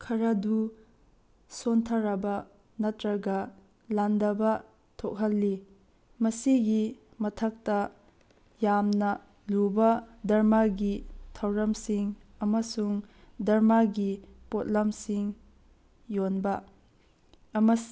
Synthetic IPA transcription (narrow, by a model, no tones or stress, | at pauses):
kʰɐɾɐdu | sontʰɐɾɐbɐ | nɐtɾɐɡɐ | landɐbɐ | tʰok̚ɦɐlːi | mɐsiɡi | mɐtʰɐk̚tɐ | jamnɐ | lubɐdɐɾmaɡitʰɐwɾɐmsiŋ | ɐmɐsuŋ | dɐɾmaɡipot̚lɐmsiŋ | jonbɐ | ɐmɐ